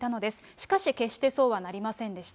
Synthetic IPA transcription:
t̪ano̞d̪e̞sɨ̥ɕi̥kaɕike̞ɕt̪e̞so̞ːβanaɾʲimasẽ̞nd̪e̞ɕi̥t̪

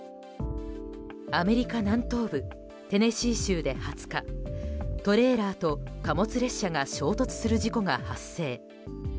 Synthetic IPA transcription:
ame̞ɾʲikanãnt̪o̞ːbɯ̟ | t̪e̞ne̞ɕiːɕɨːd̪e̞hat͡sɨ̥ka | t̪o̞ɾe̞ːɾaːt̪o̞kamo̞t͡sɨɾe̞ɕːaŋaɕo̞ːt̪o̞t͡sɨ̥sɨɾɯ̟ʑiko̞ɡahasːe̞ː

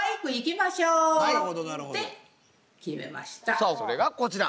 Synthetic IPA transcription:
ikɯ̟ikʲimaɕoːnaɾɯɦod̪onaɾɯoe | kʲime̞̰ma̰ɕi̥t̪asoːsoɾe̞ɡako̞t͡ɕiɾa

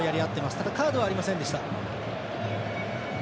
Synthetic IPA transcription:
jaɾʲiat̪ːe̞masɨ̥t̪ad̪akaːd̪o̞βaːɾʲimasẽnd̪e̞ɕi̥t̪a

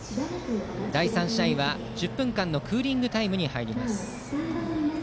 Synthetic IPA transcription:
d̪d̪aisãɰ̃ɕiaĩβa | d͡ʑɨpːɯ̟̃ŋkãnːo̞kɯ̟ːɾʲĩŋɡɯ̟t̪aimɯ̟ɲ̟ihaiɾʲimmasɨ̥ | na

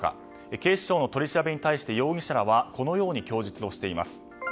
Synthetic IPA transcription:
ka̰ | eke̞ːɕi̥ɕo̞ːno̞t̪o̞ɾʲiɕiɾabe̞ɲ̟it̪aiɕi̥t̪e̞jo̞ːɡʲiɕaɾaβako̞no̞jo̞ːɲ̟ikʲo̞ːʑit͡sɨ̥o̞ɕi̥t̪e̞ima̰sɨ̥

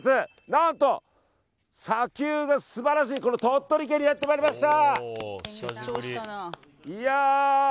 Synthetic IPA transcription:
t͡sɨ | nãnt̪o̞ | sakʲɨːɡasɨbaɾaɕ̬iːko̞no̞t̪o̞t̪ːo̞ɾʲik̬eɲʲːijat̪ːemaːɾʲimaɕi̥t̪a | oana | ia

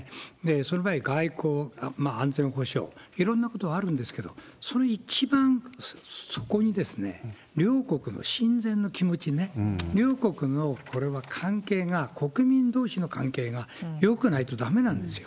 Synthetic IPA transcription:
d̪esonobaiɡaikoːmaãnzẽ̞ɰ̃ho̞ɕo̞̰ːiɾõ̞nːako̞t̪oβaːɾɯ̟̃nd̪e̞sɨ̥ke̞d̪o̞̰ | so̞noit͡ɕibãŋ | so̞̥ko̞ɲ̟id̪e̞sɨne̞̰ | ɾʲo̞ːko̞kɯ̟no̰ɕĩnd͡zẽ̞nːo̞kʲimo̞t͡ɕine̞ɾʲo̞ːko̞kɯ̟no̞kʰo̞ɾe̞βakʰãŋke̞ːŋakʰo̞kɯ̟mʲĩnd̪o̞ːɕino̞kʰãŋke̞ːŋajo̞kɯ̟nait̪o̞d̪ame̞nãnd̪e̞sɨjo

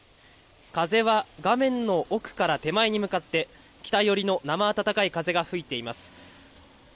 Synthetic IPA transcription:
kaze̞βaɡamẽ̞nːo̞ʔokɯ̟̥kaɾat̪e̞maiɲ̟imɯ̟kat̪ːe̞ | kʲi̥t̪aijo̞ɾʲino̞namaːt̪at̪akaikaze̞ɡaɸɯ̟it̪e̞imasɨ̥

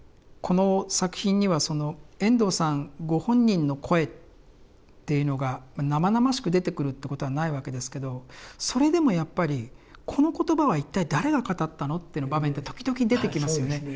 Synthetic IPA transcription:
kʰo̞no̞sakɯ̟̥çĩɲ̟ːiβaso̞no̞ẽ̞nd̪o̞ːsãŋɡo̞hõ̞ɲ̟ːĩnːo̞kʰo̞e̞t | t̪ːe̞jɯ̟no̞ɡamanamanamaɕi̥kɯ̟d̪e̞t̪e̞kɯ̟ɾɯ̟t̪ːe̞ko̞t̪o̞βanaiβake̞d̪e̞sɨ̥ke̞d̪o̞so̞ɾe̞d̪e̞mo̞japːaɾʲikʰo̞no̞ko̞t̪o̞baβait̪ːaid̪aɾe̞ɡakat̪at̪ːano̞t̪ːeɯ̟nobamẽ̞nt̪ːe̞t̪okʲid̪o̞kʲiɲid̪e̞t̪e̞kʲimasɨjo̞ne̞

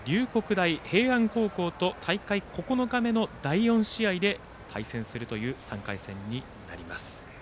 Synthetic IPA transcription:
ɾʲɨːko̞kɯ̟d̪aihe̞ːãŋko̞ːko̞ːt̪o̞t̪ʰaikaikʰo̞ko̞no̞ɡame̞no̞d̪aijõ̞ɰ̃ɕiaid̪e̞ | t̪ʰaisẽ̞ɰ̃sɨɾɯ̟t̪o̞jɯ̟ːsã̰ŋkaisẽ̞̰ɲ̟ːi | na̰ɾʲimasɨ̥

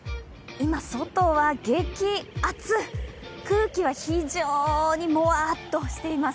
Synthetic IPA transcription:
imaso̞t̪o̞βaɡẽkʲiat͡sɨkɯ̟ːkʲiβaçiʑoːɲ̟imo̞at̪ːo̞ɕi̥t̪e̞imas

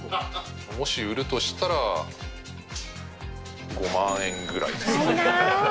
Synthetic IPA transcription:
mo̞ɕiɯ̟ɾɯ̟t̪o̞ɕi̥t̪aɾa | ɡo̞mãɰ̃ẽ̞ŋɡɯ̟ɾa̰ḭd̪es

